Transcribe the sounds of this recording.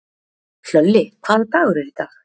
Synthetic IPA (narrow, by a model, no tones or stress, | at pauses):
fœlːɪp̪ʰaːðat̪aːɣʏɾɛɾɪt̪aːx